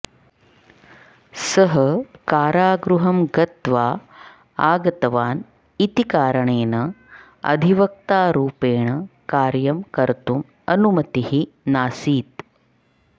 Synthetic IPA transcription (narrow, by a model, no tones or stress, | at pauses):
sɐɦɐkaːɾaːɡɾuɦɐmɡɐt̪ʋaː | aːɡɐt̪ɐʋaːn | it̪ikaːɾɐɳeːnɐ | ɐ̰d̪ʱiʋɐk̚t̪aːɾuːpeːɳɐkaːɾjɐmkɐɾt̪um | ɐnumɐt̪ihinaːsiːt̪